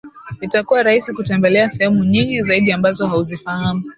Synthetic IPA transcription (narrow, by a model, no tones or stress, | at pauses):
itakuwaɾaisikutɛmbɛlɛasɛhɛmuɲiŋɡizaiɗiambazɔɦauzifahamu